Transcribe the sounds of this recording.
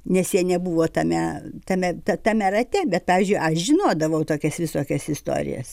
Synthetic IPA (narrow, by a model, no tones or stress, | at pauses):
nʲɛsjiɛnʲɛbuʋoːt̪ɐmʲɛt̪ɐmʲɛt̪ɐt̪ɐmʲɛɾɐt̪ʲɛbʲɛt̪̚pɑːʋʲiɪzʲd͡ʒʲʊɪʔɐʃʒʲɪnoːd̪ɐʋɐʊt̪oːkʲɛsʋʲɪsoːkʲɛsɪst̪o̰ːɾʲɪ̰jɛ̰s